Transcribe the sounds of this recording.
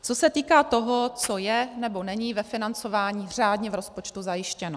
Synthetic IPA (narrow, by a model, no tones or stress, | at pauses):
t͡so̞sɛt̪iːkaːt̪o̞ɦo̞t͡so̞jɛnɛbo̞nɛɲiːvɛfɪnant͡so̞vaːɲiːr̝aːdɲɛvɾo̞spot͡ʃt̪uzajɪʃcɛno